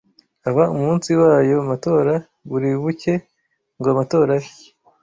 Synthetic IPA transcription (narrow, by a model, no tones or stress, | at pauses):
aβaumuːnsiwaːjo̞amato̞ːɾa | βuɾiβuce̞ | ŋɡoamato̞ːɾaje